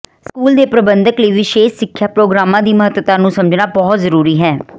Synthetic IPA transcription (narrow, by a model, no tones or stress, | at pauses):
skuːld̪eːpɾəbənd̪əkleːʋiʃeːʃsɪkʰːjaːpɾoːɡɾaːmãːd̪iːməɦət̪wət̪ãːnũːsəməd͡ʒnaːbɔːt̪zəɾuːɾiːɦɛː